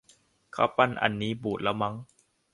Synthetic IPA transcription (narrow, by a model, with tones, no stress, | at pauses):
kʰa̰˦˥wpa˧˨nʔa̰˧˩nːiː˦˥buː˨˩t̪̚la˦˥wma˦˥ŋ